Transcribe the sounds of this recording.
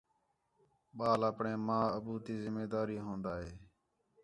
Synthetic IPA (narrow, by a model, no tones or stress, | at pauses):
ɓaːləpɳẽːmãːəbuːt̪iːzɪmeːd̪aːɾiːɦõːnd̪aːɦeː